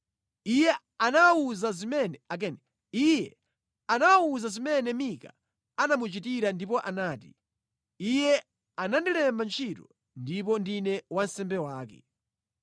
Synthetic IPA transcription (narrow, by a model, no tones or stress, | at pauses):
ijɛ | anawauzazimɛnɛak̬ɛnɛ | ijɛ | anawauzazimɛnɛmika | anamut͡ʃitiɾandip̬ɔʔanaːtḭ | ijɛ | anandilɛmbant͡ʃʰitɔ | ndip̬ɔndinɛwansɛmbɛwaːkɛ̰